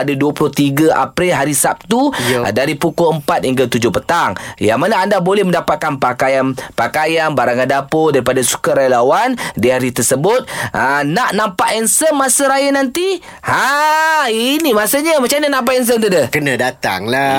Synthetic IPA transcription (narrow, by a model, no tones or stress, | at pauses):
adaduəpulʊht̪iɡaʔa̰pɾilɦaɾisap̚t̪ṵdaɾipukoəmpat̪̚hiŋɡət̪ud͡ʒʊhpət̪aŋjaŋmanaandabolɛhməndapat̪̚kanpakajanpakajanbaɾaŋkadapodaɾipadasu̥kaɾajalawandiaɾit̪ərsəbʊt̪̚ənaʔnãmpaʔɛnsəmmasəɾajanant̪i | ha | inimasəɲəmat͡ʃamnanãmp̬aʔɛns̬ənt̪udəkənãdat̪a̰ŋla